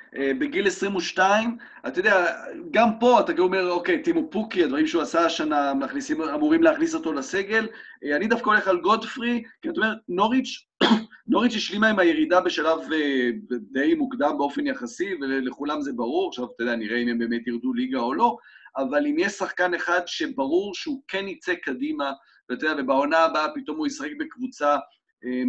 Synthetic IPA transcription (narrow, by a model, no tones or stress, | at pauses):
ʔebe̞ɡile̞sʁimuʃtaim | a̰ted̪eaɡampo̞at̪aɡome̞ʁo̞ke̞jt̪imupukiadvaʁimʃeuasaːʃanamaχnisimamuʁimleaχniso̞t̪o̞lase̞ɡe̞leanid̪afkaole̞χalɡo̞dfʁikiataome̞etno̞ʁit͡ʃ | no̞ʁit͡ʃjiʃlimaimajeʁidabe̞ʃalaved̪ejmukd̪ambeofe̞njaχasiveleχulamze̞baʁuʁaχʃavt̪od̪eaniʁeimembemetiʁd̪uliɡao̞lo̞avalimjeʃsaχkane̞χad̪ʃe̞baʁuʁʃeukenit͡sekadima | vtod̪eavebaonaːbapit̪o̞mujisaχek̚bekvut͡sa | e